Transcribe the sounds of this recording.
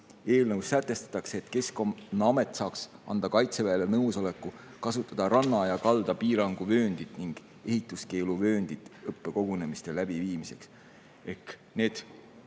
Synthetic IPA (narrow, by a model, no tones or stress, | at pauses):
e̞ːlnɤwsːæt̪ːˑe̞st̪ɑ̥t̪ːˑɑkseːt̪ke̞skomnɑme̞t̪ːˑsɑːksɑ̰nd̪ɑkɑjt̪se̞væelenɤwso̞le̞kːˑu | kɑsut̪ːˑɑd̪̥ɑɾɑnːɑjɑkɑld̪̥ɑpiːɾɑŋɡ̥uvø̞ːnd̪̥it̪niŋɡ̥ | e̞ɦit̪ːˑuske̞ːluvø̞ːnd̪̥it̪ːɤpːe̞ko̞ɡ̥une̞mist̪e̞læb̥iviːmise̞̰ks | e̞hkne̞ːd̪̥